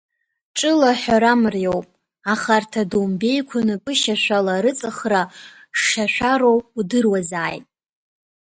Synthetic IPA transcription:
ʈ͡ʂʼɨlaħʷaɾamrjo̞wpʼ | aχartʰadumbe̞jkʷʰanɨkʼɨʃaʃᶣʷalaɾɨt͡sʼɨχra | ʂːaʃʷᶣaɾo̞wudɨrwazaːjtʼ

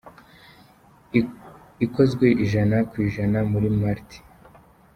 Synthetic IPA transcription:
iko̞zɡwe̞ʔiʒanakwiːʒanamuɾimaɾti̥

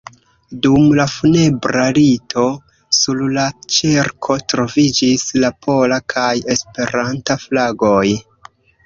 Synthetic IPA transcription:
dumlafune̞bɾalitʰo̞ | sullat͡ʃiɾkʰo̞tɾo̞vid͡ʒislapʰo̞lakʰaje̞spe̞ɾantaflaɡo̞j

